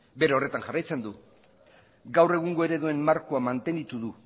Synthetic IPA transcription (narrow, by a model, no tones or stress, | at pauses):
be̞ɾao̞re̞t̪anʝarajt͡se̞nd̪u | ɡawre̞ɣ̞uŋɡo̞e̞ɾe̞ðue̞mmaɾkoamant̪e̞nit̪uðu